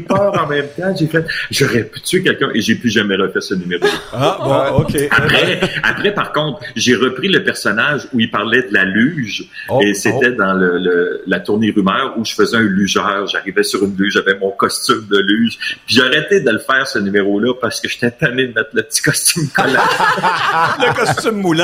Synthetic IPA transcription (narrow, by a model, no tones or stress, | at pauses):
pɑːʁɑ̃mɛ̃mt̪ãʒefɛt̪ʒɔʁɛpy̥t̪yɥekʲɛlkʲœ̃ʔeʒepyʒamɛʁəfɛːʁsənymeʁol | apʁɛapʁɛpaʁkɔ̃t̪χʒeʁəpʁiləpɛʁsɔnaʒuilpaʁlɛd̪əlalyʒ | eset̪ɛd̪ɑ̃lələlat̪uʁneʁymœːʁuʒəfəzɛɛ̃lyʒœːʁʒaʁivɛsyʁynlyʒʒavɛmɔ̃kɔst̪ymd̪əlyːʒpiʒaʁɛt̪ed̪ələfɛːʁsənymeʁolʌpaʁsə̥kəʒ̥et̪ɛt̪aned̪əmɛt̪χləpə̥t̪i̥kɔst̪ymkɔlɛ | ləkɔst̪ymːulɛ̃